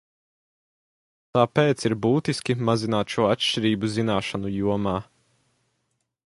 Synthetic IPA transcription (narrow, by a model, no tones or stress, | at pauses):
t̪aːpeːt̪siɾbuːt̪iskʲimazinaːt̪ʃuɔatʃʲt͡ʃiɾiːbuzinaːʃanujuɔmaː